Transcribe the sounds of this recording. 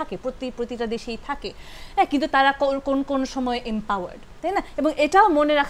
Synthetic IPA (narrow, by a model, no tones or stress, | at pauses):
akepɾot̪ipɾot̪iʈad̪eʃejt̪ʰake | ɦɛkint̪ut̪aɾakokonokonoʃɔmɔeʔempawa̰ɾɖt̪ajnaeboŋeʈaomoneɾakʰ